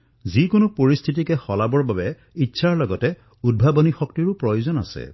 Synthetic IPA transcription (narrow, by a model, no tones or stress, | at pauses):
zikʊnʊpoɹist̪ʰit̬ikɛxɔlabɔɹbabɛ | itːsʰaɹlɔɡɔtɛ | ud̚bʱabɔnixɔk̚tiɹʊpɹɔjozɔna̰sɛ̰